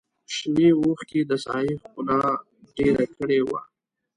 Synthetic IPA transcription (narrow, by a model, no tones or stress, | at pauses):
ʃwewuxked̪əsɑ̰jixkʊnɑ | ɖeɾakəɽewa̰